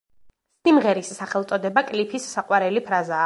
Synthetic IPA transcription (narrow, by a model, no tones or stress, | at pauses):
simʁɛɾisːaχɛlˠt̪sʼɔd̪ɛbakʼlipʰisːaqʼwaɾɛlipʰɾazaː